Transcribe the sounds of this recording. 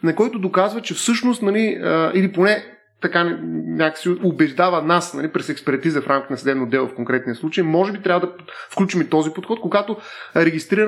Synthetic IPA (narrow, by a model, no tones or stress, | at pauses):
nɐkɔjt̪ʊd̪okazvət͡ʃɛfsɤʃnost̪nɐliəiliponɛ | t̪ɐkanɛnʲakə̥siobɛʒd̪avɐnasnɐlipɾɛsɛkspɛɾt̪izɐfɾʔamkʲit̪ɛnɐsd̪ɛbnod̪ɛlˠofkoŋkɾɛt̪nijɐslˠut͡ʃəjimɔʒɛbit̪ɾavəd̪ɐ | fklʲut͡ʃimit̪ɔzipot̪xɔt̪̚koɡat̪oɾɛɡʲist̪ɾiɾ